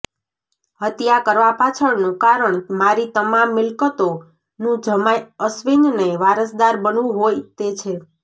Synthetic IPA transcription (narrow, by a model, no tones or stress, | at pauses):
ɦət̪jakəɾʋapat͡ʃʰəɳnũkaɾəɳmaɾit̪əmamːɪlkət̪o | nũd͡ʒəmajəsʋiɲneʋaɾəsd̪aɾbənʋũɦojt̪et͡ʃʰe